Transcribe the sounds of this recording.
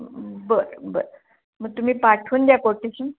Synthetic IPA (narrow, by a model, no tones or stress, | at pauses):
bəɾbə̰ɾ | məɡ̚t̪um̤iːpaʈʰuːnd̪jakoʈisun